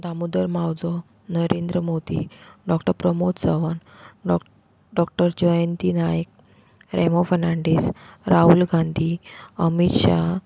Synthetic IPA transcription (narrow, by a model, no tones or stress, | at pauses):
d̪amud̪əɾmawd͡zɔ | nəɾend̪ɾəmod̪ḭɖɔkʈəɾpɾəmot̪səʋan | ɖ | ɖɔk̚ʈəɾd͡ʑɔjənt̪inajək | ɾemofəɾnaɳɖisɾʔaɦulɡãnd̪ʱiəmit̪ɕa